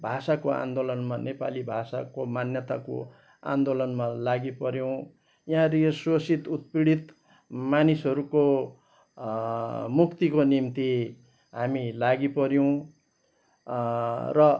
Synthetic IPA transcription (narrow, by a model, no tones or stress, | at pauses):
bʱasakoa̰nd̪olʌnmanepa̰libʱasa̰komanjʌt̪ako̰ | a̰nd̪olʌnmalaɡipʌɾjow̃ | jaɾiswosit̪ut̪piɽit̪ | manisɦʌɾuko | mukt̪ikonimt̪i | ɦamilaɡipʌɾjow̃ | rʌ